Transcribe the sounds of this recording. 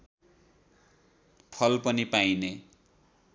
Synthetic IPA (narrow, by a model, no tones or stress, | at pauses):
pʰʌlpʌnipajne